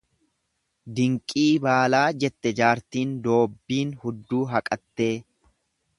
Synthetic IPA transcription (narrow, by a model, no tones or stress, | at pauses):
d̪ɪŋkʼiːbaːlaːd͡ʒɛt̪ːɛd͡ʒaːɾt̪iːnd̪o̞ːbːiːnhʊd̪ːuːɦɐkʼɐt̪ːe̞ː